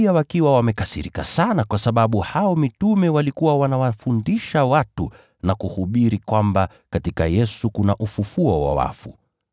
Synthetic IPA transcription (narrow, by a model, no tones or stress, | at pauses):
iawakiwawamɛkasiɾika̰sanakwasaɓaɓuhaɔmitumɛwalikuwawanawafundiʃawatu | nakuhuɓiɾikwamba | katika̰jɛsukunaʔufufuɔwa̰wa̰fu